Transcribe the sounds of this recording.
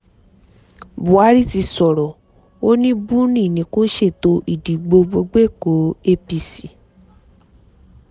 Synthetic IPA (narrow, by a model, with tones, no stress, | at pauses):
bu˨a˨˦ɾi˦ti˧sɔ˨ɾɔ˨ | o˦nĩ˦bũ˦nĩ˦˨nĩ˨˦ko˦ʃe˦˨to˧˦ʔi˦˨di˨˦ɡ͡bo˧ɡ͡bo˧ɡ͡be˦˨ko˨˦e˦pi˧si˨